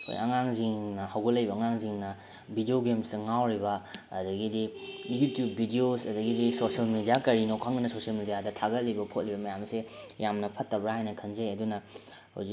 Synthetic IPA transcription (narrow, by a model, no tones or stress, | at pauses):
kʰo̰jɐ̰ŋaŋziŋnɐhawɡɐlɐjbɐːŋaŋziŋnɐ | bʱidioɡemsdɐŋawɾibɐ̰ːdɐɡidijutjubːidiosɐdɐɡidisosɐlmidijakɐɾinokʰːaŋdɐnɐsosiɐlmidijadɐtʰaɡɐt̚libɐkʰot̚libɐmɐjamsejamnɐpʰɐtːɐbɾaɦajnɐkʰɐnzɐjɐdunɐ | ha̰wzi